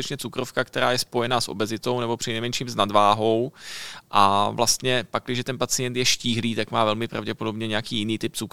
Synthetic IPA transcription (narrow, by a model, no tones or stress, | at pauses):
t̪ɛt͡ʃɲɛt͡sukɾofkakt̪ɛɾaːjɛspo̞jɛnaːsʔo̞̰bɛzɪt̪o̞wnɛbo̞pr̝̥ɪnɛjmɛnʃiːmznadvaːɦo̞wʔavlast̪ɲɛpak̚ːlɪʒɛt̪ɛnpat͡sɪjɛnt̪jɛʃciːɦliːt̪akmaːvɛlmɪpɾʔa̰vɟɛpo̞do̞bɲɛɲɛjakiːjɪniːt̪ɪp̚t͡suk